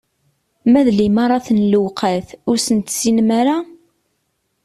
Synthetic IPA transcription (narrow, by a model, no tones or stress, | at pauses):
mæðlimɑɾˤɑθənlwqʰaθʊɾsənt̪sinmaɾa